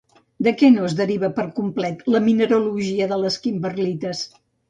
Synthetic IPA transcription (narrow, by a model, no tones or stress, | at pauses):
d̪əkɛnozðəɾiβəpəɾkumplɛt̪ləminəɾuluʒiəðələskimbərlit̪əs